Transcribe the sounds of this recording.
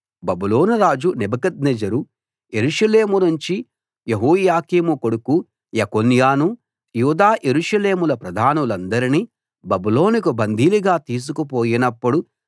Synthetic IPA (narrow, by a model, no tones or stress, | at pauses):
bɐbulo̞ːnuɾaːd͡ʒunɛbɐkɐd̪̚nɛd͡ʒɐɾu | jeɾuʂɐleːmunuɲt͡ʃi | jeɦoːjaːkiːmukoɽuku | jɐkonjaːnu | juːd̪aːʔeɾuʃɐleːmulɐpɾɐd̪ʱaːnulɐnd̪ɐɾini | bɐbulo̞ːnikubɐnd̪ʱiːliɡaːt̪iːs̬ukupoːjinɐpːuɽu